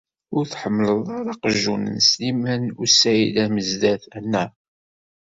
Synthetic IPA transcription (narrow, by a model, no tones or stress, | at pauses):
ʊɾθħəmːləðˤɑɾɑqəʒːunnslimænʊsæjilæməzd̪æθænːæ